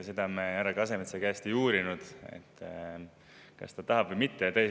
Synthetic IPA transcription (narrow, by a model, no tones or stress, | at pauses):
sed̪̥ɑmeæɾɑɡɑs̬e̞met̪sekæst̪iuːɾinud̪̥ḛt̪ːˑ | kɑ̰st̪ɑt̪ɑɦɑbvəjmit̪ːet̪æjː